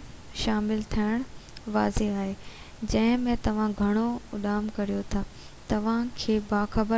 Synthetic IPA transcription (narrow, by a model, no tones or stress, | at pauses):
ʃaːmɪlt̪ʰiəɽ̃ʋaːzeaːɦeː | d͡ʑɐ̃ɦɪ̃mẽt̪ɐʋ̤ãɡʱɐɽ̃oʊɗaːmkɐɾijot̪ʰaːt̪ɐʋ̤ãkʰeːbaːxɐbə